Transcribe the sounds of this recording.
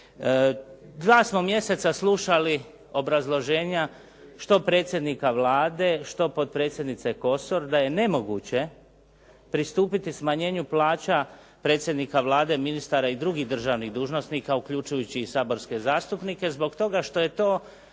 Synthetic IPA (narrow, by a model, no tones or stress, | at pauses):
d̪ʋaːsmo̞mje̞se̞t̪saslˠuʃali | o̞bɾazlˠo̞ʒe̞ːɲa | ʃt̪o̞pɾet̪sjed̪nikaʋlaːd̪e̞ʃt̪o̞po̞d̪̚pɾe̞ːt̪sjed̪nit̪se̞ko̞soɾd̪aje̞ne̞mo̞ɡṵt͡ɕe̞ | pɾist̪uːpit̪ismaɲe̞ːɲuplaːt͡ɕa | pɾe̞ːt̪sʲje̞d̪nikaʋlaːd̪e̞minist̪aɾaid̪ɾuɡiɣd̪r̩ʒaːʋniɣd̪uːʒno̞sniːkaukʎut͡ʃujut͡ɕiːsaːbo̞ɾske̞zaːst̪upnike̞zbo̞ɡt̪o̞ɡaʃt̪o̞je̞t̪o̞ː